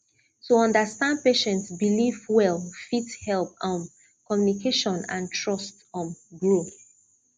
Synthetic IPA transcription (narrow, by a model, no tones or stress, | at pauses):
tuɔ̃ndəstãnd̚peʃɛ̃ntsbilivwɛlˠfithɛlpɔ̃m | kɔmjunikʰeʃɔ̃nã̰ntʰɹɔst | ɔ̃mɡɹoθ